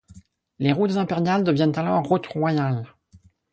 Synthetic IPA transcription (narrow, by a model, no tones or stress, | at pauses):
leʁut̪zɛ̃peʁjald̪əvjɛnt̪alɔʁːut̪ʁwajal